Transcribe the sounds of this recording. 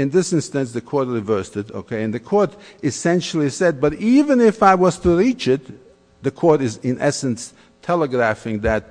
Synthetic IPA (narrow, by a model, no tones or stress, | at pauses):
ɨ̃nðɪsɪ̃nstɨ̃nsðɨkʰɔɹt̚ɹɨvɜ˞stɨɾo̰ʊkʰeɪɨ̃nðɨkʰɔɹɾɨsɛ̃nʃl̩ˠisɛd̚bʌɾivɨ̃nɪfaɪwʌz̥tʰɨɹit͡ʃɪt̪̚ | ðɨkʰɔɹɾɨzɨ̃nʔɛsɨ̃ns | tʰɛlˠəɡɹæfɪ̃ŋðɨt̚